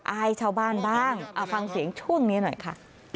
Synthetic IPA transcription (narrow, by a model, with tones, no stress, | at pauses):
ʔa˧˥˩jt͡ɕʰaː˥˧˩wbaː˥˩nbaː˥˩ŋʔaː˨˩fa˧ŋsi˨˩˦əŋt͡ɕʰu˥˩əŋniː˦˥nɔ˨˩jkʰa˦˥˩